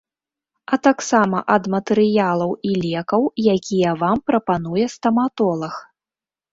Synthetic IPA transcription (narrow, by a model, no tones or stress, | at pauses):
ɐt̪aksamɐʔɐd̪mɐt̪ɛɾɨjalˠɐwilʲɛkɐwjakʲʰijɐvampɾɐpanujɛst̪ɐmat̪ɔlˠɐx